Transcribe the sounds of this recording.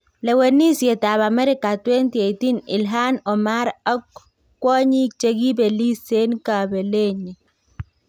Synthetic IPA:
lɛ˨we˨ni˦sje˨ta˨βa˨mɛ˦ɾɪ˦ka˨twɛ˦nti˨e˨jti˦nɪ̰˨lɦa˦nɔ˨ma˦ɾa˦k | kːwɔ˦ɲi˦t͡ʃe˨ɡi˦be˨li˦se˦nka˨be˨le˦ɲi˨

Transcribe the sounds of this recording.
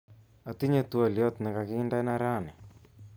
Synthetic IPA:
a˨t̪i˦ɲe˦t̪wa˨ljɔ˦t̪nɛ˨ka˨kɪ˦nda˦na˦ɾa˦˨nɛ˨

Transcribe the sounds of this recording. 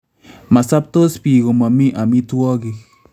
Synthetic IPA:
ma˨sa˦p̚t̪o˦spi˨ɣo˨ma˨mi˦ʔa˨mi˦t̪u˦ɔ˦ɣi˨

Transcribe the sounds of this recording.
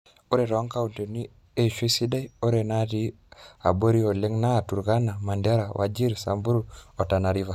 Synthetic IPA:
o˦ɾe˨ɾɔ˨wa˦ŋka˦u˨nte˨ni˦ | e˦ʃi˦si˦da˦i˦o˦ɾe˨na˦ti˦ | a̰˨bo˦ɾi˦o˨le˦ŋna˦˨tu˨ɾɡa˦na˨ma˨nda˦ɾa˨wʔa̰˨d͡ʒi˦ɾsa̰˨mbu˦ɾu˦ɔ˨ta˨na˨ɾi˦va˨

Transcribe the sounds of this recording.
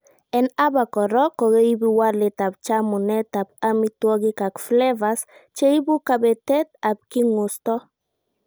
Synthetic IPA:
ɛ˨na˦ba˨kɔ˨ɾɔ˦kɔ˨ɡe˦i˦bi˦wa˦ɾlɪ˨t̪a˨p̚t͡ʃa˦mʊ˨nɛ˦t̪a˨b̚a˦mi˦twɔ˦ɡɪ˦ka˨kflɛ˦va˨st͡ʃe˦i˦bu˦ka˨bɛ˨tɛ˦t̪a˨b̚kɪ˦ŋʊ˨st̪ɔ˦

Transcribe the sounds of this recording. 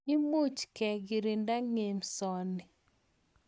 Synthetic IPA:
i˦mu˦t͡ʃkɛ˨ɡi˨ɾi˨nda˦ŋe˨msɔ˨nɪ˨

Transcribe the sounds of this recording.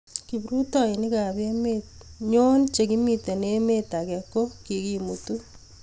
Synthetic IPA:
kibɾu˦tɔ˦i˨ni˦ka˨be˦met̚ɲo˦nt͡ʃe˨kimi˨te˨ne˦me˦ta˨kɛ˨ko˦ki˨ki˨mutu˦

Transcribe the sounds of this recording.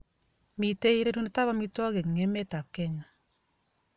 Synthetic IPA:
mi˨te˦i˦ɾe˦ɾu˦ne˦ta˦βa˦mi˦twa˦ɣe˨ŋe˦mɛ˦ta˨kɛ˦ɲa˨

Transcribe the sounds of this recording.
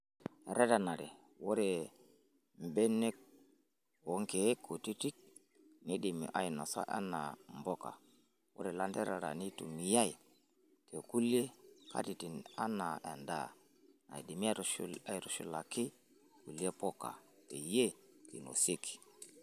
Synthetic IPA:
ɾe˦ta˨na˨ɾe˨ | wo˦ɾe˨ | m˨be˦ne˦k̚ | o˨˦ŋke˨˦kʰːo˨ti˦ti˦k̚ | ni˦di˨mḭ˨ʔa˦i˨no˨sa̰˦ʔa̰˦na̰˨mbɔ˦ka̰˨ | wo̰˦ɾe˨la˦nde˦ɾa˨ɾa̰˨ni˦tu˨mi˨ja˦i˨ | te˨ku˦le˦kʰa̰˦ti˨ti˨na˦na˨e˨nda̰˦˨ | na̰˨i˨di˨mi˦a˦ɾa˦i˨ɾu˨ʃṵ˦la˨ki˦ | ku˨li˦e˦po˦ka̰˨te˨je˦tḭ˨no̰˨se˦ki̥˨

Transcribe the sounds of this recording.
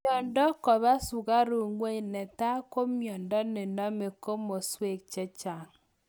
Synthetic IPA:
ɔ˨ndɔ˦kɔ˨βa˦su˨ɣa˦ɾu˨ŋwe˦i˨nɛ˨ta˦ko˦mjɔ˨ndɔ˦ne˨nɔ˦me˨ko˦mo˨swe˦˨k̚t͡ʃɛ˦t͡ʃa˨ŋ

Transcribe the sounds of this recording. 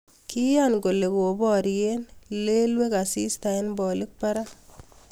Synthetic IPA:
ki˦janɡo˨le˨ko˨bɔ˦ɾjenle˦lwe˦ka˨si˦staɪnbɔ˨lɪ˦k̚pa˦ɾa˦

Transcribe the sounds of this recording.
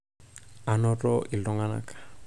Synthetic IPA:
a˨nɔ˦ɾɔʔi˨lɔ˦ŋa˦na̰kḁ˨

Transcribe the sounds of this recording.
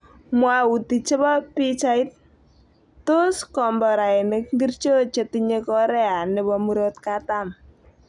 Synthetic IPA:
mwau˨ti˨t͡ʃe˦bɔ˦pi˦t͡ʃa˦i˦t̪̚ | to˦skɔ˨mbɔ˨ɾa˨ɪ˨nɪ˨kŋɡi˦rt͡ʃo˦t͡ʃe˨tiɲe˦kɔɾɛ˦a˨ne˨bɔ˨mu˦ɾot̪̚katam

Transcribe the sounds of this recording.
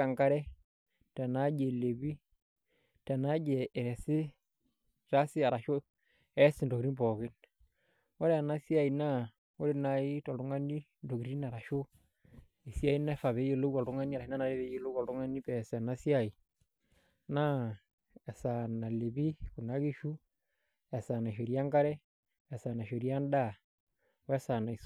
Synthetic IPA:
ka˨ŋka˦ɾɛ˦ | tɛ˨na˦d͡ʒe˨le˨bi˦ | tɛ˨na˦d͡ʒɛ˨ɛ˨ɾɛ˨sɪ˦ | ɾa˦sɪ˦a˨ɾa˨ʃo˦ | ɛ˦sɪ˨ndo˨ɡɾi˦bɔ˨ɡɪ˦n | wɔ˦ɾɛ˦a˨na˦si˦a˦˨i˨na˦ | wo˦ɾe˦na˨i˦tɔ˨ldu˦ŋa˦ni˦ | ndo˨ɡɾi˦na˨ɾa˨ʃo˦ | e˨si˦a˦i˦na˦fa˨βe˨˦je˨lo˦ɡɔ˨ɾu˦ŋa˦ni˦a˨ɾa˨ʃi˦na˦na˨ɾe˦βe˦je˦˨lo˦ɔ˨lɾu˦ŋa˦ni˦pɛ˨sɛ˨na˦si˦a˨i˨ | na˦ | ɛ˨sa˨na˨le˨βi˦ku˨na˦ki˦ʃu˦ | ɛ˨sa˨na˨i˨ʃo˨ɾja˦ŋɡa˦ɾɛ˦ | ɛ˨sa˨na˨ʃo˨ɾja˦nda˦˨ | wɛ˦sa˨na˨i˨s

